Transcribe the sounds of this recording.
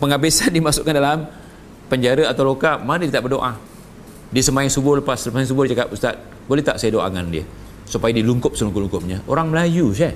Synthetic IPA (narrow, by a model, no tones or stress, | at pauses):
pəŋabesandimasʊʔkːandalam | pəɲd͡ʒaɾəat̪awlokamanidit̪aʔbərdoʔa | disəmaɪŋsubʊləpasləpaŋs̬ubʊhdit͡ʃakapust̪at̪̚ | bolet̪aʔsajadoa̰ŋandia̰ | supajadiluŋkʊp̚səluŋkʊp̚luŋkʊp̚ɲaʔo̰ɾaŋməlajusa